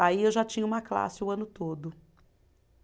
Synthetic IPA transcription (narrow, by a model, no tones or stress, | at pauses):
aiewʒat͡ʃĩɲɐũmɐkla̰sɪʊɐ̃nʊt̪od̪ʊ